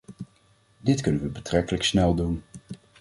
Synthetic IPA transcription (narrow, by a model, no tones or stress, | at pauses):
dɪtkɵnənʋəbətrɛkələksnɛlˠdun